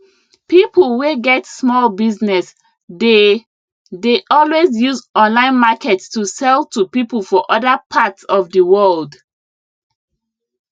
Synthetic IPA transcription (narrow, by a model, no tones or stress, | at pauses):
pipəlˠweɡɛtsmɔlbiznɛs | de | deʔɔlwezjuzɔ̃nlãɪ̃nmakɛtstusɛltupipəl̩ˠfɔʔɔðəpʰatsɔvdəwɜld